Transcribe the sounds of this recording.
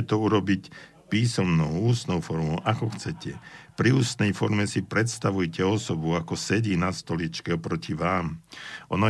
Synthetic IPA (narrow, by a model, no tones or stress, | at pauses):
ɛt̪ɔuɾɔbic | piːsɔmnɔʊuːst̪nɔʊfɔɾmɔʊʔakɔxt͡sɛcʰɛpɾiuːst̪nɛjfɔɾmɛsipɾɛt̪st̪aʋujcɛɔsɔbuakɔsɛɟiːnast̪ɔlit͡ʃkɛɔpɾɔciʋaːmʔɔnɔ